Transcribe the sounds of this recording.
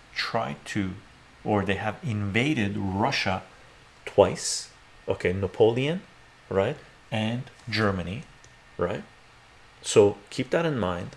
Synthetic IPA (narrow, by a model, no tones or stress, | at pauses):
tʰɹ̥aɪtʰɨ | ə˞ðeɪɨvɪ̃nveɪɾɪdɹʌʃə | tʰw̥aɪs | ʔokʰeɪnəpʰoʊlˠiɨ̃n | ɹaɪt̚ | ɨ̃nd͡ʒɜ˞mɨni | ɹa̰ɪt̚ | soʊkʰip̚ðɨɾɨ̃nmãɪ̃nd̥